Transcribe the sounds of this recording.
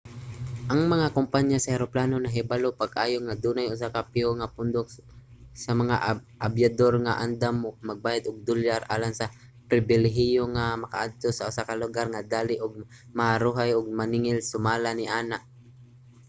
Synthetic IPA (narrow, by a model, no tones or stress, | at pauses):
ʔɐŋmɐŋakʊmpaɲasɐhɛɾoplaːnonɐɦɪbalopaɡaːjoŋad̪uːnajʊs̬akapɪoŋapʊnd̪oksɐmɐŋa̰ʔʔabjad̪oɾŋaʔa̰nd̪amʊɡ̚maɡ̚baːjad̪ʊɡ̚d̪ʊljaɾʔa̰ːlaŋsɐ | pɾɪbɪlɛɦɪjoŋamɐka̰ʔad̪̚t̪osaʔʊsakalʊɡaɾŋad̪aːlɪʔʊɡ̚ | maaɾuːɦajʊɡ̚manɪŋɪlsʊmaːlanɪʔaːnaʔ